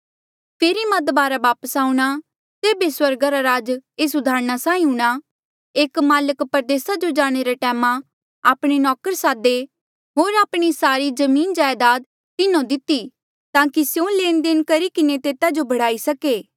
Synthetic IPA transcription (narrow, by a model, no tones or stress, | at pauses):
pʰeːɾimɐd̪baːɾaʋaːpəsaːuɽ̃a | t̪eːbeswɐɾɡaɾaɾaːd͡ʒeːs̬ʊd̪ʱaːɾñasãːĩɦuɽ̃a | eːkmaːləkpəɾd̪eːsad͡ʒod͡ʒaːɽ̃eɾaʈɛːmã | aːpɽ̃enɔːkəɾsaːd̪e | ɦoːɾaːpɽ̃isaːɾid͡ʒɐmiːnd͡ʒaːjd̪aːd̪̚ | t̪ɪnõd̪ɪt̪ːi | t̪ãːkisjõleːnd̪eːnkɐɾikɪnet̪eːt̪ad͡ʒobʱɐɽ̤aːisɐkeː